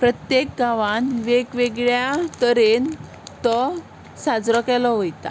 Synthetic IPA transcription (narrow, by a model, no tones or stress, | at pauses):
pɾət̪jek̚ɡaʋanʋeɡʋeɡɭjat̪əɾen | t̪ɔ | sad͡zɾɔkɛlɔʋojt̪a̰